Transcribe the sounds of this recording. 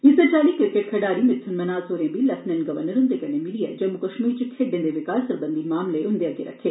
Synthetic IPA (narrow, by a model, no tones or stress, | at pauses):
isɐd͡ʒaːlikɾikeʈ̚kʰɐɖaːɾimit̪sʰunmɐnaːzoːɾebilɐsnɐnɡɐʋɐnɐɾund̪eɡɐnemiɽijɐ̰d͡ʒɐmukɐʂmiːt͡ʃukʰːeɖːend̪eʋikaːlsɐɾbɐnd̪imaːmleund̪ejɐɡiɾɐ̰kʰe